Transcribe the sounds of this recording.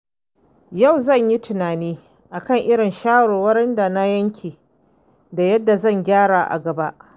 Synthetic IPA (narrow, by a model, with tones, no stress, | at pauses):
ja˦˨wzɐ˦˨ɲji˦tʊ˨naː˨niː˦ | ʔa˨kɐ˦˨ŋʔɪ˦ɽɪ˨nʃaː˦ɽoː˨wɐ˦ɾɪ˦nda˨na˦jɐ˦ŋkʲʰeː˨ | da˨jɐ˦dːa˨zɐ˦˨ŋɡʲaː˦ɽaː˨ʔa̰˨ɡɐ˨ba˦ʔ